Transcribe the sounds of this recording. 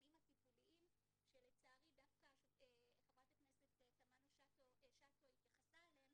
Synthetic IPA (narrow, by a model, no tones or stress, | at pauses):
imhatipuliʔim | ʃelet͡saːʁid̪afkaʃeeeχabʁat̪akneset̪etamanoʃatoʃat̪oit̪jaχasaeleem